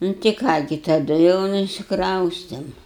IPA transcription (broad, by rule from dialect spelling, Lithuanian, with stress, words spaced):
ˈnʊ tɐɪ ˈkɑː ɡʲɪ tɐˈdʊ jɛʊ nʊ ɪʃʲsʲɪkˈrɐʊsʲtʲeːm